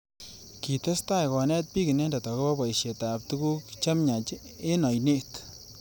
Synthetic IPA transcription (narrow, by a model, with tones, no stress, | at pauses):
ki˨t̪e˦st̪a˦jkɔ˨nɛ˦t̪̚pi˦ki˨nɛ˦nda˨t̪ɔ˨ke˦pa˦ba˨jʃe˨t̪a˨p̚t̪u˦ku˦kt͡ʃa˦mɲa˨t͡ʃ | e˦nɔ˨jni˦t̪